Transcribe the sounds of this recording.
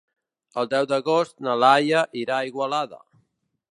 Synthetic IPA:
əlˠd̪ɛwd̪əɣost̪nalajəʔiɾaiɣwalaðə̰

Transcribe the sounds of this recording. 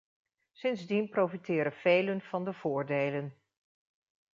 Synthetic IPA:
sɪnzdinprowfitɪːɾənv̥ejlənv̥ɑndəv̥ʊːɹdejlən

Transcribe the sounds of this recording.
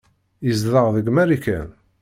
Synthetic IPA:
əzðˤəʁðəɡmæɾikæ̰n

